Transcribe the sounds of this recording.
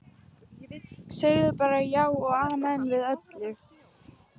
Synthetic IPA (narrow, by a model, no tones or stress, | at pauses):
jɛvɪt̪seɣðʏpaːɾajaːwɔɣaːmɛnvɪðœt̪lɪ